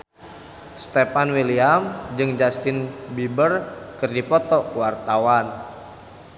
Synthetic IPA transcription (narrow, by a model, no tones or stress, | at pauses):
st̪epanwiliamd͡ʒɨŋd͡ʒast̪ɪnbibərkɨrdipɔt̪ɔkwart̪awan